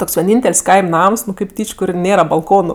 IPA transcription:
ˈtoːks ʋʲiɛˈnʲiːnʲtʲɛlʲsʲ ˈkɐɪmʲ ˈnɐms nʊ kʲeːp ˈtʲiːt͡ʃʲ ˈkʊr ˈnʲeːrɐ bɐlˠˈkoːnʊ

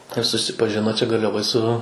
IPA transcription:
ɪr sʊsʲɪpɐˈʒʲɪnoː ˈt͡ʃʲɛ ɡɐrʲlʲɛˈʋoːj sʊ

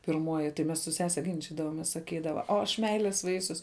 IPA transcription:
pʲɪrˈmuɔjɪ tɐɪ ˈmʲɛs sʊ ˈsʲæːsʲɛ ɡʲɪnʲˈt͡ʃʲɪdɐʋoːmʲeːs sɐˈkʲiːdɐʋɐ oː ɐʃ ˈmʲɛɪlʲeːs ˈʋɐɪsʲʊs

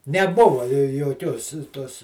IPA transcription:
nʲɛˈbʊʋɐ joːˈkʲoːs ˈtoːs

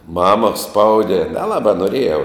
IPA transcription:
ˈmɑːmɐ ˈspɐʊdʲɛ nʲɛˈlˠɑːbɑː noːˈrʲeːjɛʊ

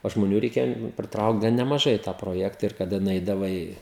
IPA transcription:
oː ʒmoːˈnʲuː ˈrʲɛɪkʲeːjoː pʲrʲɪˈtrɐʊkt ɡɐn nʲɛmɐˈʒɐɪ ɪ tɑː proːˈjæːktɐ ɪr kɐˈdɐ nʊˈɛɪdɐʋɐɪ

